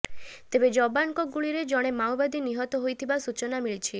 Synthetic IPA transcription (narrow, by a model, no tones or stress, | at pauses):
t̪ebed͡ʒɔbaŋkɔɡuɭiɾed͡ʒɔɽ̃emawbad̪iniɦɔt̪ɔɦojt̪ʰibasut͡ʃɔnamiɭit͡ʃʰi